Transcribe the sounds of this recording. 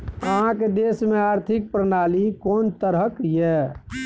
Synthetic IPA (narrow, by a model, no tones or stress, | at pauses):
əɦãked̪esmeaɾt̪ʰik̚pɾənalikont̪əɾɦəkjɛ